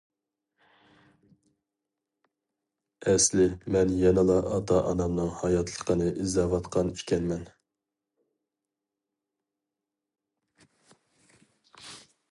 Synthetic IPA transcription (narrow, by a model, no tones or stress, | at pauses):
ɛslɪmɛnjɑnɨlˠɑʔɑt̪ʰɑʔɑnɑmnɨŋhɑjɑt̪ʰlˠə̥qənɨʔizɑːvɑt̪qʰɑni̥kʲɛnmɛn